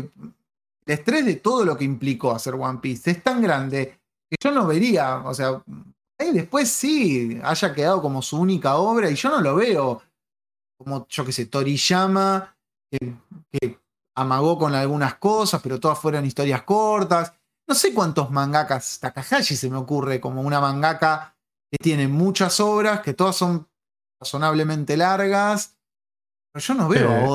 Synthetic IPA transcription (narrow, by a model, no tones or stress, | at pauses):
e | elest̪ɾe̞zðe̞t̪o̞ð̞o̞lo̞keimpliko̞aseɾɣwampise̞st̪aŋɡɾand̪e̞ | keʒo̞no̞βe̞ɾiao̰sea | ajðehpwe̞sːia̰ʒakeðaðo̞ko̞mo̞suunikaoβɾaiʒo̞no̞lo̞βe̞o̞ | ko̞mo̞ʒ̥o̞ke̞se̞t̪o̞ɾiʃama | keke | amaɣo̞ko̞nalɣunaskosaspe̞ɾot̪oðasfwe̞ɾonist̪o̞ɾjaskoɾt̪as | no̞se̞kwant̪ozmãŋɡakast̪akaxaʃise̞meo̞kure̞ko̞mo̞unamãŋɡaka | ke̞t̪je̞ne̞mut͡ʃaso̞βɾaske̞t̪o̞ðaso̞n | raso̞naβle̞mẽ̞nt̪e̞laɾɣas | peɾoʒo̞noβeoo